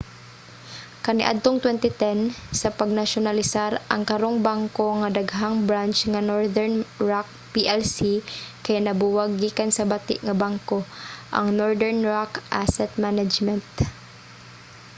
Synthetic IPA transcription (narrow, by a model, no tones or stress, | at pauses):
kɐnɪ̰ʔa̰d̪̚t̪oŋt̪wɛnt̪ɪt̪ɛnsɐpɐɡ̚nɐʃonɐlɪsaɾʔɐ̰ŋkɐɾoŋbaŋko̞ŋɐd̪ɐɡɦaŋbɾant͡ʃŋɐnoɹd̪ɛɹnɹak̚piʔɛlsikɐjanɐbuwɐɡːiːkɐnsɐbɐt̪ɪ̰ʔŋɐbaŋkoʔɐ̰ŋnoɹd̪ɛɹnɹakʔasɛt̪̚manad͡ʒmɛnt̪̚